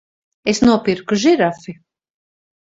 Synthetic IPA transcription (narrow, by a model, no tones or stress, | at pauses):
esnuɔpiɾkuʒiɾafi